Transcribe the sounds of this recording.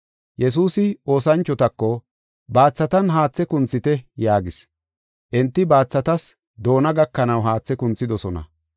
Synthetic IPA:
jɛs̬uːsɪo̞ːsɐnt͡ʃːɔt̪ɐkːɔ | baːt͡sːɐt̪ɐnɦaːt͡sːɛkʊnt͡sːɪt̪ɛjaːɡɪs | ʔɛnt̪ːɪbaːt͡sːɐt̪ɐs | d̪o̞ːnɐɡɐkːɐnɐwɦaːt͡sːɛkʊnt͡sːɪd̪ɔsɔnɐ̰

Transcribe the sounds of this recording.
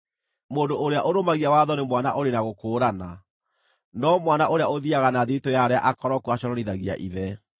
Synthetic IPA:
moːndoʔoɾeaʔoɾomaɣiawaðɔnemwana̰ʔoɾenaɣokoːɾana | nɔmwanaʔoɾeaoðiaɣanaðetojaɾeaʔakɔɾɔkuaɕɔɾɔɾiðaɣia̰ʔiðɛ

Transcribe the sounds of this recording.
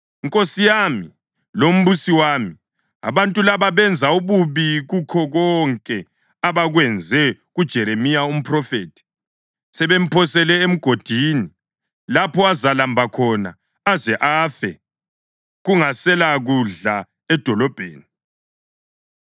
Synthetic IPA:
iŋkʼosijami | lom̩βusiwaːmi | a̰βantʼulaβaβɛnd͡zʱauβuβiɣukʰɔɣɔŋkʼɛ | aβaɣwɛnd͡zʱɛ | ɣud̥ʒ̥ʱɛɾemijaum̩pʰʼrɔfeːtʰi̥ | sɛβem̩pʰɔsɛlɛem̩ɡ̥ʱod̥ʱiːni | lapʰɔazalambʱakʰɔna̰ | azɛʔaːfɛ̰ | ɣuŋasɛlaɣuɮa | ɛd̥ʱɔlɔb̥ʱeːni

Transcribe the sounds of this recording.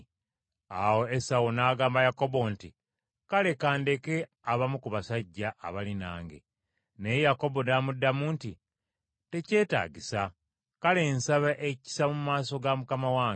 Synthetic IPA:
awo̞esawonaːɡaːmbajako̞bo̞nti | kale̞kaːnde̞ke̞ | aβamukuβasaɟːaʔːβalina̰ːŋɡe̞̰ | nejjako̞bo̞naːmudːamuːnti | te̞ce̞ːta̰ːɟisa | kale̞ːnsaβaʔeci̥samumaːso̞ɡamukamawaːŋ

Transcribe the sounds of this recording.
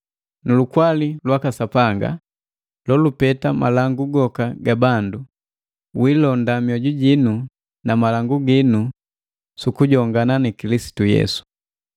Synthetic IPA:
nulukwalilwakasapaŋɡa̰ | lɔlupɛtama̰laŋɡuɡɔkaɡabandu | wilɔndamjɔɟuɟinu | namalaŋɡuɡinu | sukuɟɔŋɡananikilisi̥tujɛ̰su̥

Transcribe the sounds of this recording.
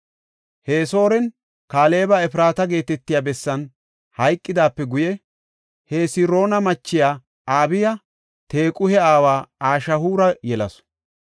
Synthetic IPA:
he̞ːso̞ːɾɛn | kaːle̞ːbɐɛfɪɾaːt̪ɐɡe̞ːt̪ɛt̪ːɪjaːbɛsːɐn | hɐjkʼːɪd̪aːpːɛɡʊjɛ | heːsɪɾo̞ːnɐmɐt͡ʃːɪjaː | aːbɪjɐ | t̪e̞ːkʼʊhɛaːwaːaːʃɐhuːɾɐjɛlɐ̰s

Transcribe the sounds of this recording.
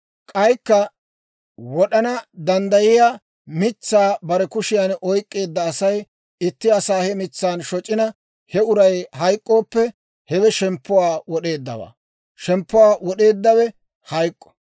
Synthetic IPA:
kʼɐjkːɐ | wɔɗɐnɐd̪ɐnd̪ɐjɪjaː | mɪt͡sːaːbɐɾɛkʊʃɪjanʔɔjkʼːe̞ːd̪ːɐːsɐj | ɪt̪ːɪɐsaːhɛmɪt͡sːaːnʃɔt͡ʃʼːɪnɐ | hɛʊɾɐjhɐjkʼːo̞ːpːɛ | hɛwɛʃɛmpːʊwaːwɔɗe̞ːd̪ːɐ̰wa̰ː | ʃɛmpːʊwaːwɔɗe̞ːd̪ːɐwɛ | hɐjkʼːɔ̥

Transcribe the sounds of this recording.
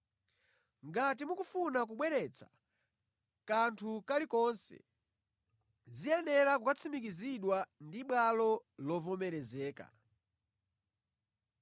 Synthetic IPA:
ŋɡat̬imukufunak̬uɓwɛɾɛt͡sʰḁ̰ | kantʰukalikɔnsɛ̰ | zijɛnɛlakukat͡sʰimikiziɗwandiɓwalɔlɔvɔmɛɾɛzɛːka̰

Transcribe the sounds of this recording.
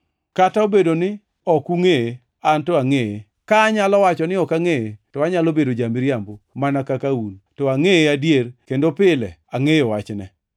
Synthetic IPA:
kataobedonɪ | ɔkuŋee | antɔaŋeje | kaːɲalɔwat͡ʃɔnɪɔkaŋeetɔaɲalobedod͡ʒamɪɾjambomanakakauntɔaŋeeadjerkendopɪlɛaŋejɔwat͡ʃnɛ

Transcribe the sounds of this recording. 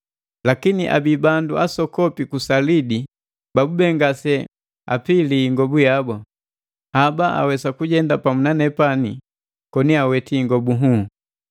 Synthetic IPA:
lakiniʔa̰bibanduʔasɔkɔpikusalidi | babubɛŋɡasɛ | a̰piliːŋɡɔbujabɔ | habaʔa̰wɛsakuɟɛndapamunanɛpani | kɔniawɛtiːŋɡɔbuɦu

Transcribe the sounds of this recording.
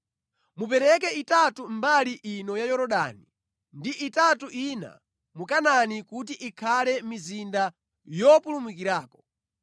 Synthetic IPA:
mup̬ɛɾɛkɛitatumbaliʔinɔjajɔɾɔɗa̰ni | ndiʔitatuʔina̰ | mukananikutiʔikʰalɛmizinda | jɔpulumukiɾaːkɔ̥

